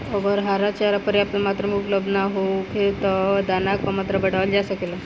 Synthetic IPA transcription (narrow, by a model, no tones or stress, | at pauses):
ɔbəɾɦaɾat͡ɕaɾapəɾjapləmat̪ɾəmukləbnaɦokʰelt̪əd̪anakʋəmat̪ɾəbəɽ̤aʋəld͡ʑasəkela